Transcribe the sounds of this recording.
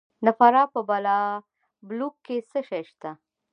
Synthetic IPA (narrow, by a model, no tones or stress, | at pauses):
nafaɾɑpəbala | blukːesəʃajʃt̪a